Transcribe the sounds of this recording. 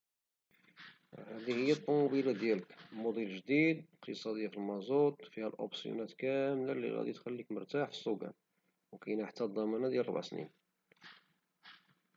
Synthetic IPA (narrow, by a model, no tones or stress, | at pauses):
hæd̪ihəjːæt̪ˤːɑmbilad̪jæləkmud̪ˤilʒd̪id̪qt̪əsˤɑd̪əjːafilmɑzut̪ˤfihælʔo̰bsjṵnæt̪kæmlælḭɣæ̰d̪it̪xælːikmʊ̰ɾˤt̪aħfi̥sːukæ̰n | wkæjnaħt̪ːæd̪ˤɑmɑnæd̪jælˤbaʕsnḭn